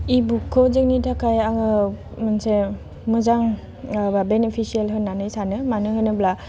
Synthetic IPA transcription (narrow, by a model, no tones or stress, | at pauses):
ibukʰːɔzɯk̚nitʰakʰajaŋɯ | manse | mɯzaŋ | abenepʰisielɦɯnanɯjsanɯmanɯɦɯjnɯbla